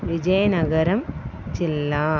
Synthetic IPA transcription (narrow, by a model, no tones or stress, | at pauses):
ʋɪd͡ʒɐjɐnɐɣɐɾɐmt͡ʃɪlːaː